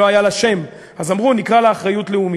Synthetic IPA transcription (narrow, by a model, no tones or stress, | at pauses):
oajalaʃe̞m | azamʁunikʁaleːχʁajutleumi